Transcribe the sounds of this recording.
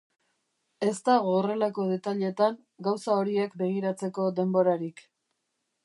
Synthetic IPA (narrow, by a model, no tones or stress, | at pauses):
e̞st̪aɣoːre̞lako̞ðe̞t̪aʎe̞t̪aŋ | ɡawsao̞ɾie̞kbe̞ɣ̞iɾat͡se̞ko̞d̪e̞mbo̞ɾaɾik